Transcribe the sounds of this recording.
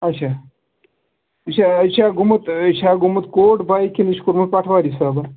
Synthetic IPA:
ɐt͡ʃʰaː | ɐt͡ʃʰat͡ʃʰaːɡumut̪t͡ʃʰaːɡumut̪koːʈbʱaːikʰiniʃkuɾmut̪̚pɐʈʰʋaːɾisaːbɐ

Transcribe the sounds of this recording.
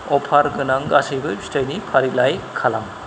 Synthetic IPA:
ɔpʰaɾɡɯnaŋɡasɯjbɯstajnipʰaɾilajkʰala̰m

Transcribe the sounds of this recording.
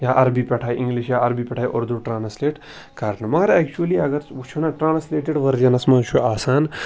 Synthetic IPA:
jaːʔɐɾbiːpʲɛʈʰaːjʔĩŋɡliʃjaːɐɾbiːpʲɛʈʰaːjʔoɾd̪uʈɾaːnsleːʈ | kɐɾnɐmaːɾɛkt͡ʃuliɐɡɐɾut͡ʃʰunaʈɾaːnsleːʈeɖʋɐɾd͡ʒɐnɐsmat͡ʃʰuaːsaːn

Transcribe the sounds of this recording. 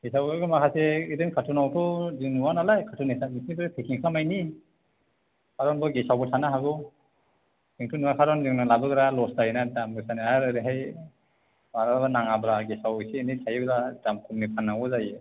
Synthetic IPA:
ɡ̥esawɯɡɯmakʰaseiɾɯnkʰatʰunawtʰɔziŋnuwanalajkʰatʰunisanisibɾepʰekʰiŋkʰamajni | kʰaɾɔnbɔɡesawbɯtʰanaɦaɡɯ | kiŋtʰunuakʰaɾɔnziŋnalabɯɡɯɾalɔsdajinadamɡɯsaniaɾɯɾiɦaj | maɾabanaŋabɾaɡesawɯsenitʰajɯbɾadamkʰumnipʰanːaŋɔzajɯ

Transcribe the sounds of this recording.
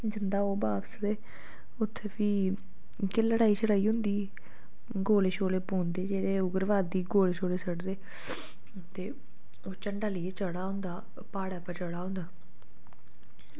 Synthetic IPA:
d͡ʒɪnd̪aːoːbaːsd̪eː | ʊt̪ʰːeːpʰiː | keləɽaːiːt͡ʃʰəɽaːiːɦʊ̃nd̪iː | ɡoːleːʃoːleːpoːnd̪eːd͡ʒeːd̪eːʊɡəɾʋaːd̪iːɡoːleːʃoːleːsəɽd̪eː | t̪eː | oːt͡ʃəɳɖaːlɪːeːt͡ʃəɽaːɦʊ̃nd̪aː | paːɽaːpət͡ʃəɽaːɦʊ̃nd̪aː

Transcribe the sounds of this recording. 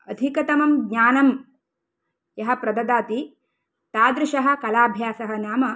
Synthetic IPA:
ɐd̪ʱikɐt̪ɐmɐmɡɲaːnɐm | jɐɦɐ̆pɾɐd̪ɐd̪aːt̪i | t̪aːd̪ɾɪʃɐɦɐ̆kɐlaːbʱjaːsɐɦɐnjaːmɐ

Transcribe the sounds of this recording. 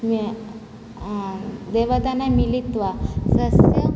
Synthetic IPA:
m | d̪eʋət̪anamilit̪ʋasəsjə

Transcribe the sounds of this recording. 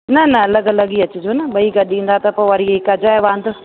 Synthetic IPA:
nɐnɐɐlɐɡɐlɐɡiɐt͡ɕʊd͡ʑoːnɐɓɐiɡɐɗĩːnd̪at̪ɐpoːʋɐɾieɪkɐd͡ʑaːɦeʋãːnd̪ʊ

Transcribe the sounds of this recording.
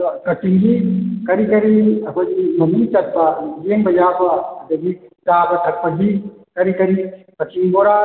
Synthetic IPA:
kɐtiŋɡikɐɾikɐɾiɐkʰojɡimɐmit͡ʃɐt̚bɐjeŋbɐjabɐɐdɐɡitabɐtʰɐk̚pɐɡikɐɾikɐɾi | kɐtiŋboɾa

